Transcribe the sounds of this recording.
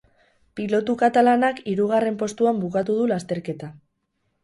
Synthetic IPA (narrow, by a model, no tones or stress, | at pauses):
pilo̞t̪ukat̪alanakiɾuɣ̞are̞mpo̞st̪uambukat̪uð̞ulast̪e̞ɾke̞t̪a